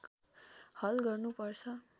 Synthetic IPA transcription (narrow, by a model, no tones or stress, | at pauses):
k | hʌlɡʌrnupʌrt͡sʰʌ